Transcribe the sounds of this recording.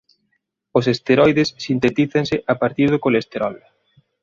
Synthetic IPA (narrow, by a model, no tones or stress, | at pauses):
osest̪eɾɔjðesːint̪et̪iθɐŋsɪʔapaɾt̪iɾðokolest̪eɾɔl